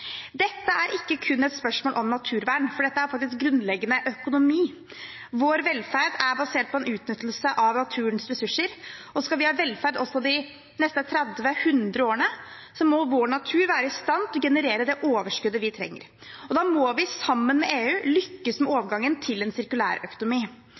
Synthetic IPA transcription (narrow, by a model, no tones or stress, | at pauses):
d̪ɛt̪ːəʔæɾʔɪkːəkʰʉnːɛt̪spœʂmoːlʔɔmnɑt̪ʰʉːɾʋæːɳfɔɖɛt̪ːəæɾfɑkt̪ɪsk̚ɡɾʉnd̪lɛɡːənəʔœkʊnʊmiː | ʋoːɾʋɛlfæɖæɾbɑseːʈ̚pʰɔɛnʉːt̪nʏt̪ːl̩səʔɑʋnɑt̪ʰʉːɾənsɾɛsʉʂəɾɔskɑlʋɪhɑʋɛlfæɾɖ̪ɔsːɔd̪ɪ | nɛst̪ət̪ʰɾɛd̪ʋəhʉnd̪ɾəoːɾəɳə | sɔmɔʋoːɳɑt̪ʰʉːɾʋæːɾəɪst̪ɑnt̪ɔɡɛnəɾeːɾəd̪ɛʔoːʋəʂkʉd̪ːəʋɪt̪ʰɾɛ̰ŋːə̰ɾ | ɔd̪ɑːmɔʋɪsɑmːənmɛʔeːʉːlʏkːəsmɛoːʋəɡɑŋːənt̪ʰɪlɛnsɪɾkʉlæ̰ːɾœkʊnʊmiː